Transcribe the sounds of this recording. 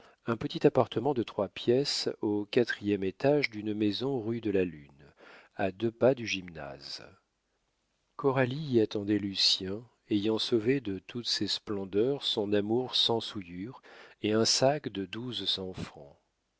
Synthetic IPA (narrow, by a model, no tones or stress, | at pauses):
ɛ̃pət̪it̪apaʁt̪ʰəmɑ̃d̪ət̪χwapjɛsokat̪χijɛmet̪aʒd̪ynmezɔ̃ʁyd̪əlalynad̪øpad̪yʒimna̰z̥ | kɔʁaliiat̪ɑ̃d̪ɛlysjɛ̃ | ejɑ̃soved̪ət̪ʰut̪sesplɑ̃d̪œʁsɔ̃namuʁsɑ̃sujyʁeɛ̃sakd̪əd̪uzsɑ̃fχɑ̰̃